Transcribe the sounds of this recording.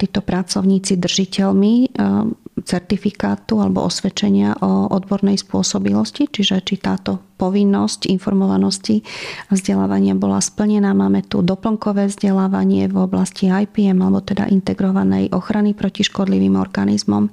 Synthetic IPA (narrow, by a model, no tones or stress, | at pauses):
t̪iːt̪ɔpɾat͡sɔʊɲiːt͡sid̪r̩ʒicɛlmi | t͡sɛɾt̪ifikaːt̪ualɛbɔ̰ʔɔsʋɛt͡ʃɛɲɪaʔɔʔɔd̪bɔɾnɛjspʊɔsɔbilɔscit͡ʃiʒɛt͡ʃit̪aːt̪ɔpɔʋinːɔscinfɔɾmɔʋanɔscivzɟɛla̰ːʋaɲɪabɔla̰spl̩ɲɛnaːmaːmɛt̪ṵd̪ɔpl̩ŋkɔʋɛːvzɟɛlaːʋaɲɪɛvɔblasciajpiɛmalɛbɔt̪ɛd̪a̰ʔint̪ɛɡɾɔʋanɛ̰jʔɔxɾanipɾɔciʃkɔd̪liʋiːmɔ̰ɾɡanizmɔm